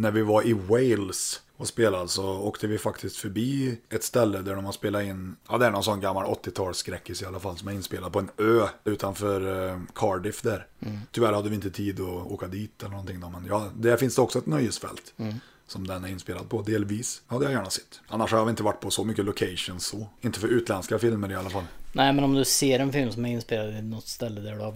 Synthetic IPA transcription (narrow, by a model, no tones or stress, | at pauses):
næɾvɪvaɾʔɪweɪls | aspeːlad̪əsɔoːkt̪əvɪfakt̪ʰɪskt̪fœɾbiːɛt̪st̪ɛlːəd̪æɖɔmhaspeːlaɪnːɑ̰d̪ɛæɾɳɔnsɔnːɡamːalɔ̰t̪ːɪt̪ʰɑːlskɾɛkːɪsɪalːafalːsɔmɛɾɪnːspeːlad̪̚pʰɔɛnøːʉ̟ːt̪anfœɾkʰɑːɖɪfd̪æɾt̪ʰʏvæɾhad̪ːəvɪɪnt̪ət̪ʰiːd̪ɔo̰ːkad̪iːt̪ʰɛlənɳɔnt̪ʰɪŋːd̪ɔmɛnjɑːd̪ɛɾfɪnsd̪ɛɔksɔɛt̪nœjːəsfɛ̰lt̪ | sɔmd̪ɛnæɾɪnspeːlad̪̚pʰɔd̪eːlviːshad̪əjajæːɳasɛ̥t̪ːʔanːaʂhaaɾvɪɪnt̪əvaʈːpʰɔsɔmʏkːəlʊkʰɛɪʂʊnsɔɪnt̪ːəfœɾʉːt̪lɛnskafɪlməɾɪalːafalːnæɪmɛnɔmd̪ɵseːɾɛnfɪlmsɔmɛɾɪnːspeːlad̪ɪnɔt̪ːst̪ɛlːəd̪æɖʉa